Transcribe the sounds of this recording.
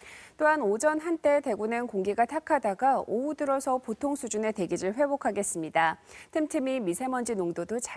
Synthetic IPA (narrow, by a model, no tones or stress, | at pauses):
t͈oɦanod͡ʑʌnɦant͈e̞te̞ɡunɯnkoŋɡiɡatʰakʰadaɡaoudɯɾʌsʰʌpotʰoŋsʰud͡ʑune̞te̞ɡiɾɯɭɸwe̞bokʰaɡe̞s͈ɯmɲidatʰɯmtʰɯmimisʰe̞mʌnd͡ʑinoŋdodot͡ɕa